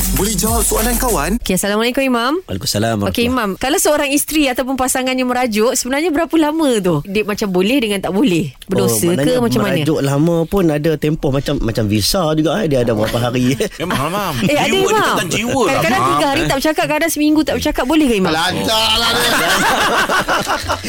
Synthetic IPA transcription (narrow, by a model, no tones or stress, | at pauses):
bolɛd͡ʒawak̪oanankawanokeasalamalekʊmimama̰lekumsalamokeimãmkalawsəoɾaŋist̪ɾiat̪awp̬ʊnpasaŋanjaməɾad͡ʒʊʔsəbənarɲabəɾapəlamə̃t̪ʊhdɪʔ̚mat͡ʃambolɛhdəŋant̪aʔbolɛhbərdosəkəmat͡ʃammːanad͡ʒʊʔlamə̃pʊnadat̪empɔhmat͡ʃamːat͡ʃambisad͡ʒuɡaʔhdiaadabəɾapaɦaɾi | aeadaimaad͡ʒiwəkadakadant̪iɡaɦaɾit̪aʔbət͡ʃakaʔ̚kadansəmiŋɡut̪aʔbət͡ʃakat̪̚bolɛhkaimãlat̪alaaa